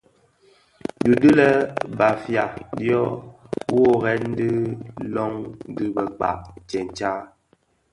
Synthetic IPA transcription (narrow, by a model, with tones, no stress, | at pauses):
du˨dɨ˦lɛ˦ba˨fja˨djɔ˦wo˦ɣɛ˦n̩˦dɨ˦lɔ˦ŋ̩˦dɨ˦bə˨k͡pa̰˨ʔt͡ʃɛ˨n̩˨t͡ʃa˦